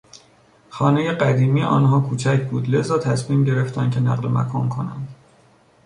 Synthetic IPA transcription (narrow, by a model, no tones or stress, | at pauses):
xɒːnejeɢæd̪iːmiːeʔɒ̰ːnɦɒːkʰuːt͡ʃʰæcʰbuːd̪le̞zɒːt̪ʰæsmiːmɟe̞ɾe̞ft̪ʰæncʲʰe̞næ̰ɢlemæ̰kʰɒːnkʰo̞næ̰nd̪̥